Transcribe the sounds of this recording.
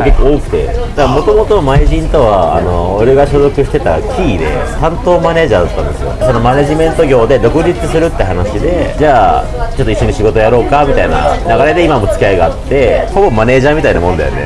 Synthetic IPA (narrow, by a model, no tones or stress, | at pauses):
kekːooːkɯ̟̥t̪e̞̰d̪̥aɡamo̞t̪o̞mo̞t̪o̞maiʑĩnt̪o̞βa̰ːno̞ːɾe̞ɡaɕo̞zo̞kɯ̟ɕi̥t̪e̞t̪a̰kʲʰiːd̪e̞̰t̪ãnt̪o̞ːmane̞ːʑaːd̪at̪ːã̰nd̪e̞sɨ̰jo̞̰so̞no̞mane̞ʑimẽ̞nt̪o̞ɡʲo̞ːd̪e̞d̪o̞kɯ̟ɾʲit͡sɨsɨɾɯt̪ːeɦanaɕid̪e̞d͡ʑaː | t͡ɕot̪ːoiɕːoɲ̟iɕiɡo̞t̪ojaɾo̞ːkamʲit̪aina̰naɣaɾe̞d̪e̞imamo̞t͡sɨ̥kʲiaiɡaːt̪ːe̞hobo̞mːane̞ːʑãmʲit̪ainamõ̞nd̪a̰jone̞̰